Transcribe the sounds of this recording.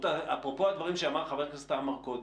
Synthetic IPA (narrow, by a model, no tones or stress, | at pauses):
t̪aapʁopo̞ad̪vaʁimʃeamaʁχaveʁkast̪amaʁkod̪